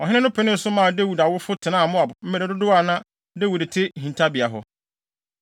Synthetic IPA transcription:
ɔ˨ɦɪ̃˦nɪ̃˦nʊ̃˦pʰɛ˨˦nɪ̃˦n̩˦sʊ˦mã˦˨de˦wu˨da˨wʊ˦fʊ˦tʰɪ˨nã˦˨mʊ̃˦a˨bʊ˨m̩˦ɛ˨ɾɛ˨dʊ˦dʊ˦a˨nã˦ | de˦wu˨dtʰe˦˨ɦĩ˨ntʰa˦bi˨a˨ɦʊ˦

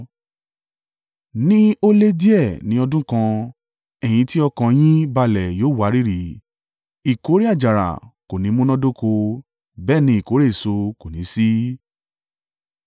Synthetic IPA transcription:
nĩ˦o˦le˦di˦ɛ˦˨nĩ˧˦ɔ˧dũ˦kã˧ | ɛ˨j̃ĩ˧˦ti˦ɔ˧kã˧j̃ĩ˦ba˧lɛ˨joː˦˨wa˨˦ɾi˦ɾi˨˦ | i˨ko˨˦ɾi˦a˦˨d͡ʒa˨ɾa̰˨ko˨nĩ˨˦mũ˦nɔ̃˦do˦ko˧ | bɛː˦˨nĩ˧i˨ko˨˦ɾe˦˨so˧ko˨nĩ˨˦si˦

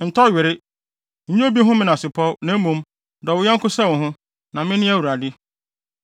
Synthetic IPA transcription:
n̩˨tʰɔ˦˨ɥɪ˨ɾɪ˦ | ɲ̩˦ɲ̃˦bi˦ɦʊ̃˦mɪ̃˦nã˨sɪ˨pʰɔ˦nã˨˦mũ˨m | dɔ˨wʊ˨˦jɛ̃˦ŋ̩˦kʊ˦sa˦˨wʊ̃˨ɦʊ̃˦ | nã˨mɪ̃˦nɪ̃˦æ˦˨wu˨ɾa˨dɪ˦

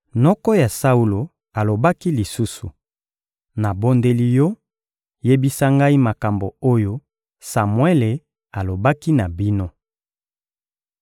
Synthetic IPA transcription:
mɔ˦kɔ˦ja˨sa˦u˦lo˨ | a˨lo˨ba˦ki˦li˨su˦sṵ˨ | na˨bo˦nde˦li˦jɔ˦ | je˦bi˦sa˦ŋɡa˦i˦ma˨ka˨mbo˨o˦jo˦ | sa˨mwe˦le˨ | a˨lo˨ba˦ki˦na˨bi˦no˦

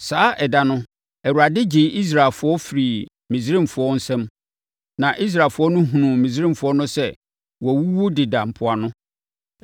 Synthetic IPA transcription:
saː˦ʔɛ˨da˦nʊ̃˦ | ɛ˨wu˨ɾa˨dɪ˦d͡ʑɪ˨˦ʔi˦s̬ɾa˨lfʊ˨˦ɔ˦fi˨ɾi˨ | mĩ˨zɾĩ˦mfʊ˨˦ɔ˦n̩˦sɛ̃˦m | nã˨ʔi˦s̬ɾa˨fʊ˦ɔ˦nʊ̃˦ɦũ˨nũ˨mĩ˨s̬ɾĩ˦m˨fʊ˨ɔ˦nʊ̃˦sɛ˦ | wɔ˨wu˦wo˦dɪ˨dã˨m̩˨pʰʊ˦a˨nʊ̃˦

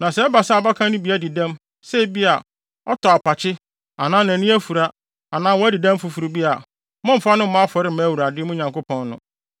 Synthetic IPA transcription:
nã˨sɛ˨˦ba˨sa˦˨ba˦kʰã˦nʊ̃˦bi˨˦æ˦dɪ˨dã˦m | sɛ˦bi˦a˨ | ɔ˦tʰɔ˨a˨pa˨t͡ɕʰɪ˦ | a˨nãː˦nã˨nĩ˦æ˦fu˨ɾa˦ | a˨nãː˦wɔ˦æ˦dɪ˨dæ̃˦m̩˦fu˨fu˨ɾu˨bi˦a˨ | mʊ̃˦m̩˨fa˦nʊ̃˦m̩˦mã˦a˦fɔ˨ɾɪ˦m̩˦mæ˨˦wu˨ɾa˨dɪ˦mʊ̃˦ɲã˨ŋko˦pʰɔ̃˦nːʊ̃˨

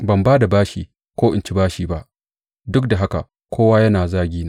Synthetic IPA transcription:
bɐ˨mbaː˦da˨baː˦ʃiː˨ | kʷoː˦ʔɪ̰˨nt͡ʃi˦baː˦ʃiː˨ba˦ʔ | dʊ˦k̚da˨ɦa˦ka̰˨ | kʰʷoː˦waː˦jɐ˦naː˨zaː˦ɡʲiː˦na˦

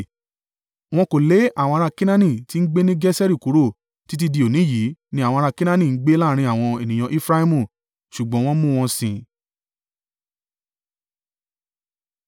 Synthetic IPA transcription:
w̃ɔ̃˧ko˨le˨˦a˦˨w̃ɔ̃˧ɾa˧kĩ˦nã˦nĩ˦˨ti˨˦n̩˦ɡ͡be˦nĩ˦ɡɛ˦sɛ˦ɾi˦˨ku˨˦ɾo˦˨ | ti˨˦t̬i˧di˧o˨nĩ˨˦ji˨˦nĩ˦a˦˨wɔ̃˧ɾa˧kĩ˦nã˦nĩ˨˦ɡ͡be˦laː˦˧ɾ̃ĩ˧˦a˦˨w̃ɔ̃˧e˨nĩ˨j̃ã˧ʔi˦fɾa˦hi˦mũ˦˨ | ʃu˨ɡ͡bɔ̃˨˦w̃ɔ̃˦mũ˦˧w̃ɔ̃˧sĩ˧

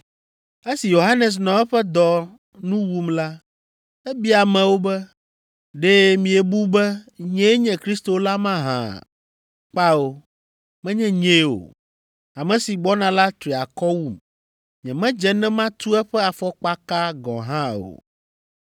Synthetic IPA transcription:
e˦si˨jo˨ɦa˦nɛ˨s̬nɔ̃˨ɛ˦ɸɛ˦d̪ɔ˨ | nũ˦wu˦mla˦ | ɛ˦bi˦a˨mɛ̃˨wo˦bɛ˦ | ɖɛ˦mĩ˨ɛ˨bu˦bɛ˦ɲɛ̃˦ɲɛ̃˨kɾi˦st̪o˨˦la˦mã˦ɦã̰˨ | k͡pa˦o˦ | mɛ̃˦ɲɛ̃˦ɲẽ˦o̰˨ | a˨mɛ̃˨si˨ɡ͡bɔ˦nã˨la˦t̪ɾi˨a˨kɔ˦wu˦m | ɲɛ̃˨mɛ̃˦d͡ʒɛ˦nɛ̃˦mã˦t̪u˦ɛ˦ɸɛ˦a˨fɔ˦k͡pa˦ka˦ɡɔ̰̃˨ɦã˦o̰˨

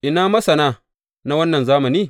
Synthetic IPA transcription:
ʔɪ˨naː˦mɐ˦sɐ˨naː˦ | na˦wɐ˦nːɐ˨nzaː˦mɐ˨niː˦

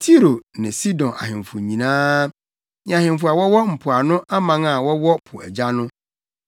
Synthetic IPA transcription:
tʰi˦ɾo˨nɪ̃˨si˦dɔ̃˨na̰˨hɪ̃˨mfʊ˨ɲĩ˨nãː˦ | ɲ˨ã˨hɪ̃˨mfʊ˨a˨wɔ˦wɔ˦m̩˨pʰʊ˨a˨nʊ̃˦ʔa˦mã˦ŋa˨wɔ˦wɔ˦pʰʊ˨ɛ̰˨d͡ʑa˦nʊ̃˦

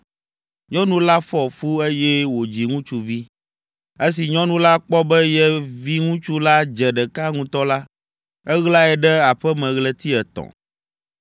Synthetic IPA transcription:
ɲɔ̃˦nũ˦la˦fɔ˦fu˦e˦jɛ˦wo˨d͡ʑi˨ŋũ˦t͡ʃu˨vi˦ | e˦s̬i˨ɲɔ̃˦nũ˦la˦k͡pɔ˦bɛ˦jɛ˦vi˦ŋũ˦t͡ʃu˦la˦d͡ʒɛ˨ɖɛ˨ka˦ŋũ˦t̪ɔ˦la˦ | ɛ˦ɣla˦ɛ˨ɖɛ˦a˨ɸɛ˦mɛ̃˨ɣlɛ˦t̪i˦ɛ˨t̪ɔ̰̃˨

